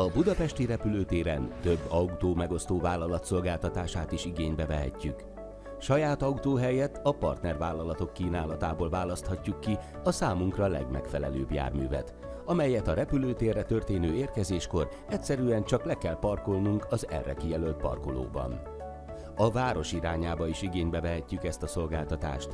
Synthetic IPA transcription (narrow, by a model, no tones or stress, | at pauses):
ɒbud̪ɒpɛʃt̪iɾɛpyløːt̪eːɾɛnt̪ø̞bːɒut̪oːmɛɡo̞st̪oːvaːlːɒlɒt̪so̞lɡaːlt̪ɒt̪aːʃaːt̪iʃiɡeːɲbɛvɛɦɛ̰cːyk | ʃɒjaːt̪ɒut̪oːɦɛjɛt̪ʰɒpɒ̰rt̪nɛrvaːlːɒlɒt̪o̞kːiːnaːlɒt̪aːboːlvaːlɒst̪hɒcːukːi | ɒsaːmuŋkrɒlɛ̰ɡmɛ̰kfɛlɛ̰lø̰ːbja̰ːrmy̰ːvɛ̰t̪ | ɒmɛjɛt̪ɒɾɛpyløːt̪eːrːɛt̪ø̞rt̪eːnøːeːrkɛzeːʃko̞r | ɛcʲsɛɾyːɛnt͡ʃɒklɛkɛlpɒrkolnuŋkɒzɛ̰rːɛ̰kijɛlølt̪̚pɒ̰rkolo̰ːbɒ̰n | ɒvaːɾo̞ʃiɾaːɲaːbɒiʃiɡeːɲbɛvɛɦɛcːykɛst̪ɒso̞lɡa̰ːlt̪ɒt̪a̰ːʃt̪